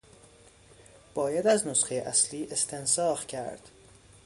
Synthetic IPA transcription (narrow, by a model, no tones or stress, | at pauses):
b̥ɒːjæd̪æznosxejeʔæsliːʔe̞st̪ʰe̞nsɒːxcʰæ̰ɾd̪̥